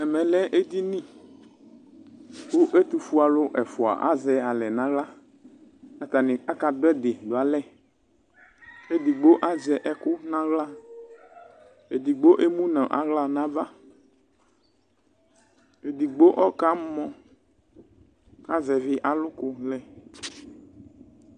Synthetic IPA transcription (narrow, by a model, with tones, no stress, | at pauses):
ɛ˨mɛ̃˨lɛ˦ʔe˦d̪i˦nĩ˦ | wʊ˦ʔe˦t̪u˨fu˦a˨lʊ˦ʔɛ˨fɔ˨a̰˨ʔa̰˦zɛ˨a˨lɛ˨nã˦ɣla˦ | a˨t̪a˨nɪ̃˨a˦ka˨d̪ʊ˦ɛ˦d̪ɪ˨d̪o˨a˨lɛ˦ | e˦d̪i˨ɡ͡bo˦ʔa˦zɛ˨ʔɛ˦kʊ˦nã˦ɣla˦ | e˨d̪i˨ɡ͡bo˦ʔe˦mũ˦nã˨ʔa̰˨ɣla˦nã˦va˦ | e˨d̪i˨ɡ͡bo˦ʔɔ˦ka˦mɔ̃˨ | a˦zɛ˨vɪ˦ʔa˨lʊ˦kʊ˦lɛ˨